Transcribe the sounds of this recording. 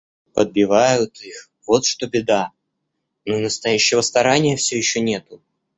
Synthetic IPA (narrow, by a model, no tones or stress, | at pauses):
pəd̪̚bʲɪvajʊt̪ʰix | vo̞t̪ʂt̪o̞bʲɪd̪a | nonəst̪ɐjæɕːɪvəst̪ɐɾanʲɪjəfsʲɵjɪɕːonʲe̞t̪ʊ